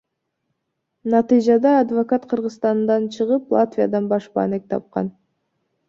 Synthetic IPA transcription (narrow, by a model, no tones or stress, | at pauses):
nɑt̪ɨjd͡ʒɑd̪ɑːd̪vokat̪qʰɯɾʁɯzst̪ɑnd̪ɑnt͡ʃʰɯʁɯplˠat̪vʲijɑ̰d̪ɑnbɑʃbɑ̰nek̚t̪ʰɑ̰p̚qɑ̰n